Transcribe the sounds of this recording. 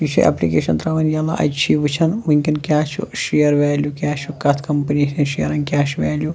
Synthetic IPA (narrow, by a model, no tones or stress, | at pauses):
iʃʰiʔɐ̰plikḛːʃɐnt̪ɾɐːʋɐnjaːla̰ʔɐ̰t͡ʃʰiːʋɨt͡ʃʰɐnʋɨŋʲkɐnkʲaːt͡ʃʰṵʃijɐɾʋaːljukʲaːʃukɐt̪ʰkɐmpɐniɐnʃijɐɾɐnkʲaːʃʋaːlju